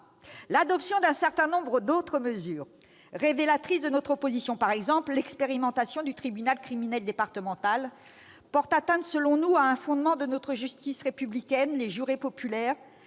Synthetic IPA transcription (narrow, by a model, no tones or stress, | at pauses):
lad̪ɔpsjɔ̃d̪ɛ̃sɛʁt̪ɛ̃nɔ̃bʁəd̪ot̪χəməzyːʁ | ʁevelat̪χisd̪ənɔt̪χɔpozisjɔ̃paʁɛɡzɑ̃pllɛkspeʁimɑ̃t̪asjɔ̃d̪yt̪χibynalkχiminɛld̪epaʁt̪əmɑ̃t̪al | pɔʁt̪at̪ɛ̃t̪səlɔ̃nuaɛ̃fɔ̃d̪mɑ̃d̪ənɔt̪χəʒyst̪isʁepyblikʲɛnleʒyʁepɔpylɛːʁ